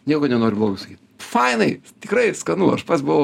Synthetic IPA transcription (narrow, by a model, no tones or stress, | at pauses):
nʲiɛkonʲɛnoːɾɪblˠoːɡɐɪsɐkʲiːt̪fɐɪnɐɪ | t̪ʲɪkɾɐɪskɐnuːɐʃpɐt̪sʲbʊʋo